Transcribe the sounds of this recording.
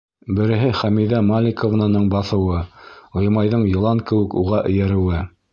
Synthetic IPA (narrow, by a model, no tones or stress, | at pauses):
bɘ̆ɾɘ̆ɦɘχæmiðæmalʲɪkovnanɤɴbɑθɤ̆wɤŏjmɑjðɤɴjɤ̆lˠɑŋkɘ̆wɘ̆kṵʁɑʔɵ̆jæɾɘ̆wɘ